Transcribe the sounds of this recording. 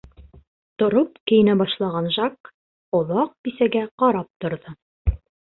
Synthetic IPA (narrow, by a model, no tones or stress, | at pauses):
t̪ŏɾopkɘ̆jɘ̆næbɑʃlˠɑʁɑnʒɑk | ŏlˠɑq̚bisæɡæqɑɾɑp̚t̪ŏɾðɤ